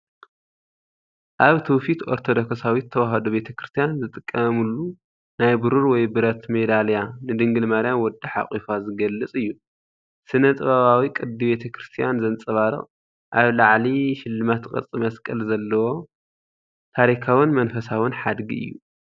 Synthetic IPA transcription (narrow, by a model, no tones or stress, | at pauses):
ʔaβt̪ʰɨwfit̪oɾt̪ʰod̪oksawit̪ʰːɐwaɦɐd̪obe̞t̪ʰɐkɾɨst̪ʰijanzɨt̪ʼɨkʼːɐmulːu | najbɨɾuɾwɔjbɨɾɐt̪med̪aljanɨd̪ɨŋɡɨlmɐɾijanwɔd̪ːiħa̰χʼifazɨɡɐlːɨt͡sʼɨjːu | sɨnɐt̪ʼɨβaβawikʼɨd̪ːiβe̞t̪ʰɐkʰɾɨst̪ʰijanzɐnt͡sʼɐβaɾɨ̰χʼ | ʔaβlaʕliʃɪlːɨmat̪kʼɐ̰t͡sʼimɐskʼɐlzɐlːɐwo̞ | t̪ʰaɾikʰawɨnmɐnfɐsawɨnħad̪ɡḭɨ̰jːṵ